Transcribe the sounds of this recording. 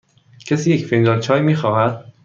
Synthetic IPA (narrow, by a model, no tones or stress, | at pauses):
cʰesiːjecfind̪ɒːlt͡ʃʰɒːjmiːxɒːɦæd̪̥̚